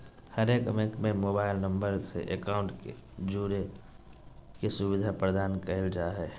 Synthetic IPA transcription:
həɾeːkmekmẽmoːbaːɪlnə̃mbəɾsḛʔekaʊ̃ɳʈed͡ʒuːɾe | kesubɪd̪ʱapɾəd̪aːnkəɦɪld͡ʒaɦɛ

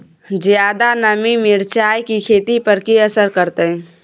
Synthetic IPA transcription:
d͡ʒjaːd̪anəmimɪɾt͡ʃaːjkikʰeːt̪ipəɾkiəsəɾkəɾt̪eɦɛ̃

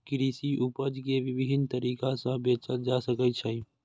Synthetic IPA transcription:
kɪɾiːsiʔupəd͡ʒkeʋɪbɪɦɪnt̪əɾiːkasə̃beːt͡ʃəld͡ʒasəkət͡ʃʰə

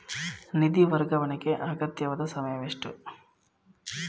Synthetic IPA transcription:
nid̪iʋɐɾɡɐʋɐnɐɡeʔaːɡɐt̪jɐʋɐd̪ɐsɐmɐjɐʋeʂʈu

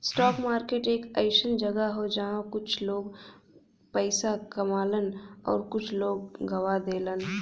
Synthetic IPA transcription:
sʈɔːkmaːɾkeːʈeːkɛɪʃənd͡ʒəɡəɦod͡ʒaɦãkʊt͡ʃʰloːɡ | pəɪsakɐmaːlənɔ̰ːɾkʊt͡ʃʰloːɡːɐwad̪eːlən

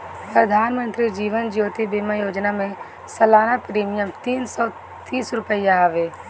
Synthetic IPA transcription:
pɾəd̪ʱaːnmə̃nt̪ɾid͡ʒiːʋənd͡ʒjoːt̪ibimajoːd͡ʒnamẽ | səlaːnapɾiːmijəmt̪iːnsɔː | t̪iːsɾʊpəɪjaɦʋeː

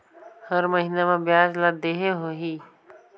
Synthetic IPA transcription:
həɾməɦinemẽbjaːd͡ʒlad̪eɦeɦoɦi

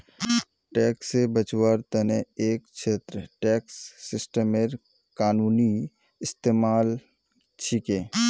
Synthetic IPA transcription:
ʈɛːksːebət͡ʃwaɾt̪əneeːkt͡ʃʰeːt̪ɾəʈɛːksːɪsʈəmeɾ | kaːnuːni | ɪst̪eːmaːl | t͡ʃʰɪkeː

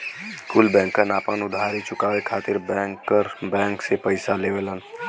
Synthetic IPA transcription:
kʊlbɛ̃ːŋkənaːpənʊd̪ʱaːɾit͡ʃʊkaːʋekʰaːt̪ɪɾbəɾbɛ̃ːŋksepəɪsaleːʋelən

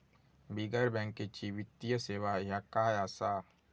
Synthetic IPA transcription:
biɡəɾbɛ̃ːŋkːet͡ʃiʋɪt̪ijəseːʋajakaːjaːsaː

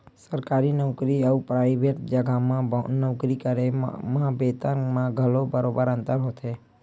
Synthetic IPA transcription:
səɾkaɾinəwkɾiəupɾaɪbeʈd͡ʒəɡʱamãnəʋkɾikəɾemãbet̪əmãɡʱəlobəɾobəɾə̃nt̪əɾɦot̪ʰe

